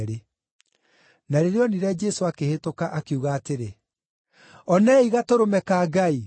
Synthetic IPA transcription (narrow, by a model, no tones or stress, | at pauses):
ɾe | naɾeɾeɔniɾɛd͡ʒɛsoakehetokaʔakeuɣaːteɾe | ɔnɛiɣatoɾomɛkaːɡai